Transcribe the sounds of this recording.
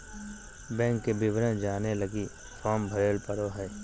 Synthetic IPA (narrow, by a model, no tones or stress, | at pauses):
bɛ̃ːŋkːebɪʋɾə̃nd͡ʒaːneləɡi | fʰɔːmbʱəɾeːlpəɾoɦɛː